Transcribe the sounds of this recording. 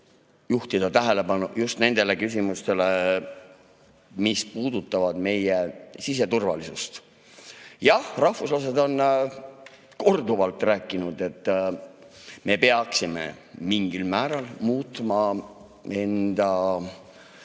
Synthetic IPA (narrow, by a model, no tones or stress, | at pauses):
juht̪id̪̥ɑt̪æɦele̞pɑnujust̪ne̞nd̪̥e̞le̞kys̬ʲimust̪e̞le̞ | mispuːd̪̥ut̪ˑːɑvɑd̪̥me̞jesis̬e̞t̪urvɑlisust̪ | jɑhrɑhfuslɑse̞d̪o̞n | ko̞rd̪uvɑlt̪ˑræːkːˑinud̪e̞t̪ːˑ | me̞peɑksimḛmiŋɡ̥ilmæːɾɑlmuːt̪ˑmɑ | e̞nd̪̥ɑ